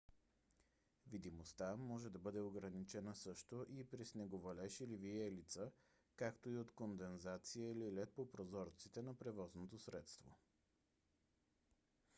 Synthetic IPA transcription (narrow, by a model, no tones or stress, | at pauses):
vid̪imost̪amɔʒɛd̪ɐbɤd̪ɛoɡɾɐnit͡ʃɛnəsɤʃt̪oʔipɾisnɛɡovɐlɛʃiliviɛlit̪sə | kakt̪oiot̪kond̪ɛnzat̪sijəililɛt̪̚popɾozɔɾt̪sit̪ɛnɐpɾɛvɔznot̪osɾɛt̪st̪vo̰